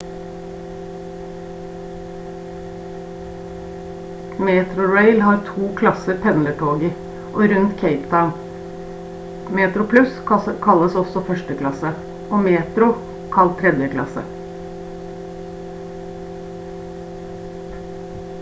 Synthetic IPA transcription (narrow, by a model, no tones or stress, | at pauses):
meːt̪ɾʊɹeɪlhɑːɾt̪ʰuːkʰlɑsəɾpʰɛnləʈʰoːɡə | ʔoːɾʉnt̪kʰeɪpt̪ʰaʊɳ | meːt̪ɾʊpʰlʉskʰɑləsɔsɔfœʂʈəklɑsə | ʔoːmeːt̪ɾʊ | kʰɑlt̪ʰːɾɛd̪jəklɑ̰sə̰